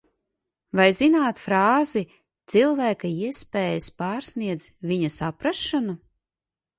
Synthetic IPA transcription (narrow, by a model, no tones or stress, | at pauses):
vajzinaːt̪fɾaːzi | t̪silˠvæːkaiɛspeːjaspaːɾsniɛd̪zviɲɐsapɾaʃːanu